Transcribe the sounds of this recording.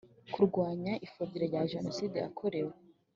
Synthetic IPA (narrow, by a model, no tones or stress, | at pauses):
kuɾɡwaːɲaʔifobiɾeɾɟaʒe̞no̞siːdea̰kʰoɾe̞we